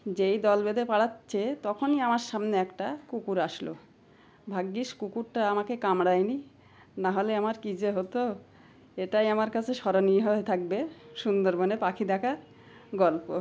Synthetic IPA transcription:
d͡ʑejd̪ɔlbed̪epaɽatːɕʰet̪ɔkʰoniamaɾʃamneɛkʈakukuɾaʃlo̰ | bʱaɡːiʃkukuɾʈaamakekamɽajni | naɦoleamaɾkid͡ʑeɦot̪o | eʈajamaɾkat͡ɕʰeʃɔɾoniɦoet̪ʰak̚beʃund̪oɾbonepakʰid̪akaɾ | ɡɔlpo

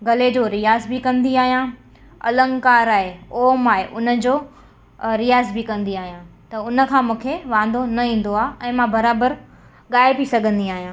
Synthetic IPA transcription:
ɡɐled͡ʑoɾijaːzbɪkɐ̃nd̪iaːɦijã | ɐ̰lə̃ŋkaːɾaːɦeoːmaːeʔʊnə̆d͡ʑoː | ɾijaːzbɪkɐ̃nd̪iaːɦijãt̪ɐʊnə̆kʰãːmũːkʰeʋãːn̆d̪onɐɦĩːn̆d̪oaːʔɛ̃ːmãbɐɾaːbəɾ | ɠaːɪpisɐɡʱə̃nd̪iaːɦijãː

